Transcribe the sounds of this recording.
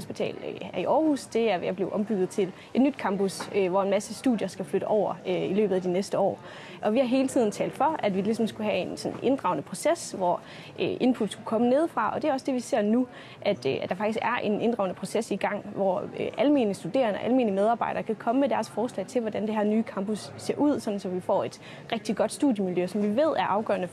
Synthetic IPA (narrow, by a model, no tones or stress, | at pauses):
sb̥it͡sʰɛ̰ːlæɐiʔɒːhusd̥e̝æɐjäb̥le̝ʊʔɒ̽mb̥yɡ̥ð̩ˠt͡sʰe̝l | ʔe̝d̥nyd̥kʰɑ̈mbusøʋɒenmæsəsd̥ṵːðˠjɐsɡ̥æfløɾ̥əʔɒʊ̰ɐøilø̰ːbð̩ˠæd̥inesd̥əɒ̰ː | ʔɒ̽ʋihɑ̈ɦe̝ːlət͡sʰið̰ˠn̩t͡sʰɛ̰ːld̥fɒ̽æd̥ʋilis̬ɒ̽msɡ̥uɦæe̝nsɔ̽nʔe̝nd̥ʁɑ̈ʊnəpʰʁo̝sesʋɒ | ʔøʔe̝npʰud̥sɡ̥ukʰɒ̽məne̝ð̞ˠfʁɑ̈ɒ̽d̥e̝æɒ̽sd̥e̝ʋise̝̰ɐ̰nu | ʔæd̥æd̥ɑ̈fɑ̈ɡ̥d̥isɡ̥æɐʔe̝nʔe̝nd̥ʁɑ̈ʊnəpʰʁo̝sesiɡ̥ɑ̈ŋ̰ʋɒʔælme̝̰ːnlisd̥ud̥e̝̰ːɐnʔælme̝ːnlimeð̞ˠɑ̈ːbɑ̈ɪdɐkʰækʰɒ̽məmed̥æɐsfɒːslɛ̰ɪt͡sʰe̝lʋɒd̥ænd̥e̝ɦæɐ̰nyːkʰɑ̈mbosse̝ɐʔuð̞̰ˠsɒ̽d̥n̩sɒ̽ʋifɒ̰ːe̝d̥ | ʁɛɡ̥̚d̥iɡ̥ɒ̽d̥sd̥ṵðˠjəmiljøsɒ̽mʋiʋe̝ð̞̰ˠæɐʔɑ̈ʊɡ̥ɶ̰ɐnə